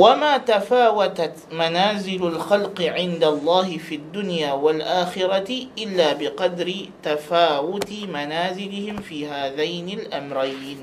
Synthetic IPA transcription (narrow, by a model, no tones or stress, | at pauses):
wamaːt̪afaːwat̪at̪manaːzɪlalxalqɪʕɪnd̪alˤːɑːhɪfiːad̪ːʊnjaːwalʔaːxɪɾˤɑt̪ʔɪlːaːbɪqɑd̪ɾɪt̪afaːwʊt̪ɪmanaːzɪlɪhɪmfiːhaːðajnɪlʔamɾˤaj